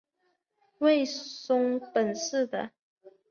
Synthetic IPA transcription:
we˥˨˩ɪsʊ˥ŋpə˨˩nʂ̩˥˨d̪ə˨

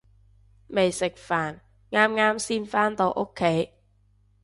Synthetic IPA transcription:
me˨jsɪ˨k̚faː˨˩n | ŋaː˥mŋaː˥msiː˥nfaː˥nt̪o˧wʔo˥kʰːe˨˥j

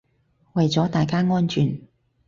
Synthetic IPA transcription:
wɐ˨jt͡sɔː˨˥t̪aː˨jkaː˥ŋɔː˥nt͡ʃʰyː˨˩n

